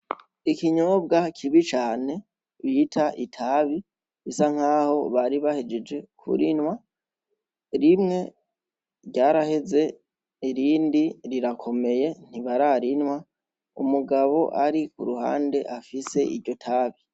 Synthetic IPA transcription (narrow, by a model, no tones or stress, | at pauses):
ikiɲoːb̚ɡakʰiβit͡ʃaːne̞ | βitʰaʔitʰaːβi | βisaŋ̥haːho̞βaɾiβahed͡ʒed͡ʒe̞kʰṵɾinwa | ɾimŋe̞ | ɾɟaːɾahe̞ze̞ | iɾiːndiɾiɾakʰo̞me̞je̞n̥iβaɾaɾinwa | ṵmuɡaβo̞ʔaɾikuɾuha̰ːnde̞ʔafise̞ʔḭɾɟo̞tʰaːβi